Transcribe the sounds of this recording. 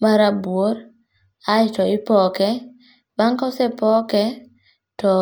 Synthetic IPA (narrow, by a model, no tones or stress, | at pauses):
maɾabwoɾ | ajtɔɪpɔkɛ | baŋkɔsɛpɔkɛ | tɔ